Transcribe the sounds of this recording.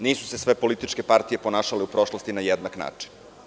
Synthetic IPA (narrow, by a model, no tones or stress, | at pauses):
niːsu̥se̞sʋe̞po̞lit̪it͡ʃke̞paɾt̪ije̞ponaːʃaleupɾo̞ʃlˠost̪inajed̪nakna̰ːt͡ʂi̥n